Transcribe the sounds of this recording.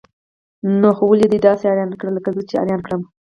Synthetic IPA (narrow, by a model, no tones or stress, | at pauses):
noxowaled̪ed̪ɑseɑɾjɑnkɽaləkazət͡ʃeɑ̰ɾjɑnkɽəm